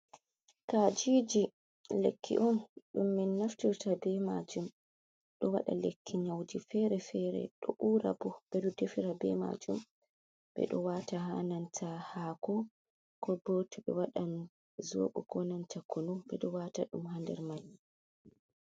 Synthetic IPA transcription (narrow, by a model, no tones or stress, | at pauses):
kad͡ʒiːd͡ʒi | lekʰːḭʔɔnɗumːinːaftiɾtabɛma̰d͡ʒum | ɗɔwa̰ɗa̰lekʰːiɲawdifɛɾɛfɛɾɛ̰ɗɔʔuːɾa̰bɔb̥ɛɗɔdefiɾabɛma̰d͡ʒum | bɛ̰ɗɔwataha̰nantʰahaːkɔ | kɔbotuɓɛwaɗan | zo̰ːɓuɡɔnantakonɔbɛɗɔwataɗumhandɛ̰ɾmaj